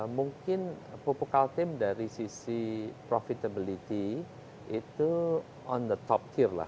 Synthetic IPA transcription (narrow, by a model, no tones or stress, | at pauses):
muŋkɪn | popukalt̪ɪmdaɾisisipɾɔfit̪əbilit̪i | it̪u | ɔ̃nd̪ət̪ɔp̚t̪ʰirla̰h